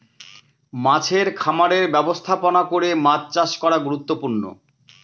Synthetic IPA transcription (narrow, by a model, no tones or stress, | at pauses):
mat͡ɕʰeɾkʰamaɾeɾbɛbost̪ʰaponakoɾemad͡ʑt͡ɕaʃkɔɾaɡuɾut̪ːopuɾno̰